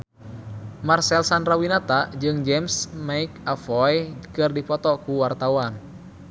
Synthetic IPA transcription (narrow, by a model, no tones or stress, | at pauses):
marsɛlsanrawinat̪ad͡ʒɨŋd͡ʒɛmsmaikafɔjkɨrdipɔt̪ɔkuwart̪awan